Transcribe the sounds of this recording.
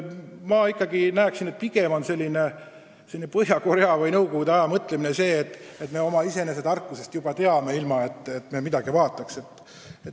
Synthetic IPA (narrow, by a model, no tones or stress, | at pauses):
mɑːikːˑɑɡinæeksinet̪̚piɡ̥e̞mo̞nse̞lʲːine̞ | se̞lːʲinepɤɦjɑko̞ɾeɑvɤjnɤwkoɡud̪eɑjɑmɤt̪ːleminese̞ːt̪ːˑet̪me̞o̞mɑise̞ne̞s̬e̞d̪ɑrkːuse̞st̪jub̥ɑt̪e̞ɑme̞ilmɑe̞t̪ːˑet̪me̞mid̪ɑɡ̥ivɑːt̪ːˑɑkse̞t̪ːˑ | et̪